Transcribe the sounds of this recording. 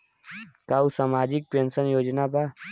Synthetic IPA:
kaːusaːmaːd͡ʒɪk̚pẽːnsənjoːd͡ʒnapa

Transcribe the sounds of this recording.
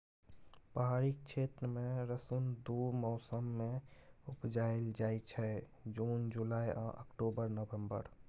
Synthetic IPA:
pəɦaɾikt͡ʃʰet̪ɾəmẽɾəsund̪omɔʊsəmːeupd͡ʒaeld͡ʒaet͡ʃʰɛ | d͡ʒund͡ʒulaja̰ʔə̰kʈobəɾnəbẽmbə̰ɾ

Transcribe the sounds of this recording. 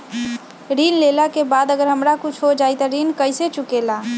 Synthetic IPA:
ɾinlelakebad̪əɡəɾɦəmɾakut͡ʃʰɦod͡ʒajt̪ɔɾinkəjset͡ʃukela

